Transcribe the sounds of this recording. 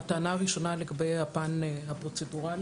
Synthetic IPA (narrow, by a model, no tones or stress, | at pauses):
taːnaʁiʃo̞naleɡabejhapanhapʁot͡seduʁal